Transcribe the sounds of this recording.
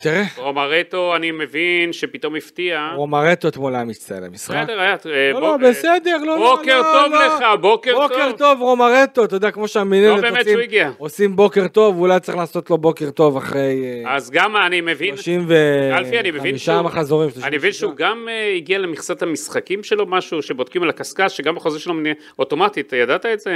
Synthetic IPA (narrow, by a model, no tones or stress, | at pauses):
t̪iʁeʁomaʁet̪oanimevinʃepit̪o̞mift̪iaʁomaʁet̪ot̪molaamit͡saḛla̰misχadeʁajaolobesed̪e̞ʁlookeʁtolleabokebokeʁt̪o̞vʁomaʁet̪ot̪od̪eakmo̞ʃeaminenebmetsmiɡiaosimbo̞ke̞ʁt̪o̞vulajtt͡seiχlaːso̞t̪lo̞bo̞ke̞ʁt̪o̞vaχʁe̞jazɡamanimevinʃimvealfianimevinmiʃamaχazoʁimʃaanimevinʃeuɡameiɡialemiχsathamisχakimʃelo̞maʃuʃebod̥̪̚kimalakaskaʃeɡambeχozeʃelomnie | ot̪o̞mat̪it̪jadat̪aetze